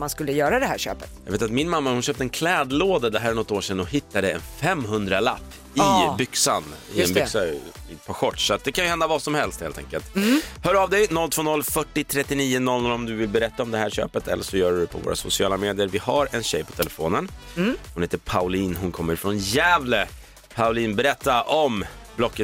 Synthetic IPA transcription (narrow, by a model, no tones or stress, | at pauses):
manskɵlːəjœːɾad̪ɛɦæːɕø̰ːpət̪jɑ̰ːɡveːt̪at̪̚mɪnmamːahʊnɕøːp̚t̪əɛnkʰlɛːd̪loːd̪ad̪ɛɦæːɾæɳɔt̪ːoːʂɛnːɔhɪt̪ːad̪əɛnfɛmːɦɵnd̪ɾala̰pː | ɪbʏksanɪ̰ɛbksaɪpʰaɧɔʈːʂsat̪̚d̪ɛkʰanjʏhɛnd̪avaːsɔmhɛlst̪hḛːlt̪ʰɛ̰ŋkəlt̪hœːɾavd̪ɛjnɔlt̪v̥oːnɔlfœʈːɪt̪ʰɾɛt̪ːɪniːʊnɔlːnɔlɔmd̪ɵvɪlbɛɾɛt̪ːaɔmd̪ɛɦæːɾɕø̰ːpət̪ʰɛlːəʂɔjœːɖɵd̪ɛpʰɔvo̰ːɾa̰sʊsɪɑːlameːd̪ɪjəɾvɪhaɾɛnɕɛjpʰɔ̥t̪ʰɛlɛfoːnənhʊnheːt̪əpʰaʊliːnɦʊnkʰɔmːəɾfɾɔnjæːvlə | pʰaʊliːnbɛɾɛt̪ːaʔɔmblɔkːət̪